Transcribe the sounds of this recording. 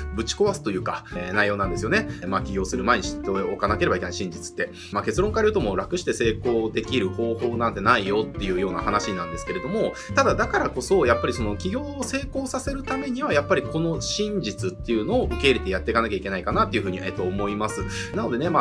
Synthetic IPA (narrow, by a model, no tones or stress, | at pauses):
bɯ̟t͡ɕi̥ko̞βasɨ̥t̪o̞jɯ̟ːkanajːo̞ːnãnd̪e̞sɨjo̞ne̞maːkʲiɡʲo̞ːsɨɾɯ̟maeɲ̟iɕit̪ːookanake̞ɾebaike̞naiɕĩɲd͡ʑit͡sɨ̥t̪ːe̞ | maːke̞t͡sɨɾõ̞ŋkaiɾʲjoːt̪o̞mo̞ɾakɯ̟ɕi̥t̪e̞se̞ːko̞ːd̪e̞kʲiɾɯ̟ho̞ːho̞ːnãnt̪e̞naijo̞t̪ːe̞jɯ̟ːjo̞ːna̰hanaɕinãnd̪e̞sɨ̥ke̞ɾe̞d̪o̞mo̞ | t̪ad̪ad̪akaɾako̞so̞japːaɾʲiso̞nokʲiɡʲo̞ːse̞ːko̞ːsase̞ɾɯ̟t̪ame̞ɲ̟iβajapːaɾʲiko̞no̞ɕĩɲd͡ʑit͡sɨt̪ːe̞jɯ̟no̞ːʔɯ̟ke̞ːiɾe̞t̪ejat̪ːe̞ikanakʲaikʲe̞naikanat̪ːe̞iɯ̟ɸɯ̟ːɲ̟iʔet̪ːo̞ːmo̞imasɨnano̞d̪e̞ne̞ma